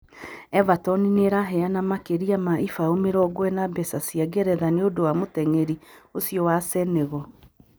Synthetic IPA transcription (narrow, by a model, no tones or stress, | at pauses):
ɛvatɔnineɾaɦɛanamakeɾiamaifaomeɾɔɡwɛnabɛsasiaɡɛɾɛðaneodowamotɛŋeɾiosiɔwasɛnɛɣɔ